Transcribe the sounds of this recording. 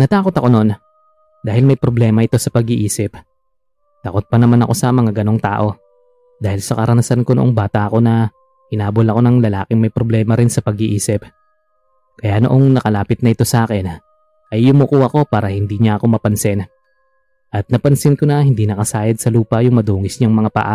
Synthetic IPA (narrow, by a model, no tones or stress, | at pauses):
nɐt̪aːko̞t̪ɐko̞no̞n | d̪aːhɪlmɐjpɾoblɛːmɐʔɪt̪o̞sɐpɐɡɪʔiːsɪp | t̪aːko̞t̪̚pɐnɐmanɐ̰ko̞sɐmɐŋaɡɐno̞ŋt̪a̰ːʔo̞ | d̪aːhɪlsɐkɐɾʔɐnɐsɐnko̞noʔoŋbaːt̪ɐʔɐko̞nɐ | ʔɪnaːbolɐko̞nɐŋlɐla̰ːkɪŋmɐjpɾoblɛːmɐɾɪnsɐpɐɡɪʔiːsɪp̚ | kɐjanoʔoŋnɐkɐlaːpɪt̪̚nɐʔɪt̪o̞sɐʔaːkɛn | ʔɐjːʊmʊkuhɐko̞paːɾɐhɪnd̪iɲɐʔɐko̞mɐpɐnsɪn | ʔɐt̪̚nɐpɐnsɪnkonɐhɪnd̪inɐkɐsaːjɐd̪̚sɐluːpɐjʊŋmɐd̪uːŋɪsɲaŋmɐŋapɐ̰ʔa